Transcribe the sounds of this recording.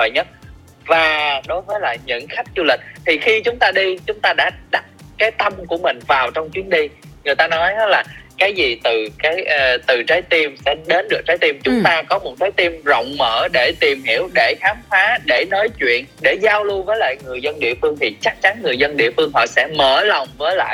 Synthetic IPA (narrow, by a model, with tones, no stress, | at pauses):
əː˨˩jɲə˦˥t̚ | vaː˨˩ɗo˨˦jvəː˨˦jla̰ː˨˩jɲɨ̰˧˥ŋxa˦˥jk̚zu˧lï˨˩k̟̚t̪ʰi˨˩xi˧t͡ɕʊ˨˦ŋ͡mt̪aː˧ɗi˧t͡ɕʊ˨˦ŋ͡mt̪aː˧ɗa̰ː˧˥˩ɗa˨˩t̚kaː˨˦jt̪ə˧mku˧˩əmï˨˩ŋ̟vaː˨˩wt͡ɕɔ˧wŋ͡mt͡ɕwi˨˦ənɗi˧ŋɨ˨˩jt̪aː˧nɔ˨˦jhlaː˨˩kaː˨˦jzi˨˩t̪ɨ˨˩kaː˨˦jʔːt̪ɨ˨˩t͡ɕaː˨˦jt̪i˧msɛ˧nɗe˨˦nɗɨ˨˩ək̚t͡ɕaː˨˦jt̪i˧mt͡ɕʊ˨˦ŋ͡mt̪aː˧kɔ˨˦mo˨˩t̚t̪aː˨˦jt̪i˧mzɔ̰˧˨wŋ͡mməː˧˩ɗe˧˩t̪i˨˩mhi˧˩˨əwɗe˧˩xaː˨˦mfaː˨˦ɗe˧˩nɔ˨˦jt͡ɕwḭ˧˨ənɗe˧˩zaː˧wlu˧vəː˨˦jla̰ː˧˨jŋɨ˨˩əjzə˧nɗḭ˧˨əfɨ˧əŋt̪ʰi˨˩t͡ɕa˦˥k̚t͡ɕa˨˦nŋɨ˨˩jzə˧nɗḭ˧˨əfɨ˧əŋɦɔ̰˧˨˩sɛ̰˧˥məː˧˩lɔ˨˩wŋ͡mvəː˨˦jla̰ː˧˨j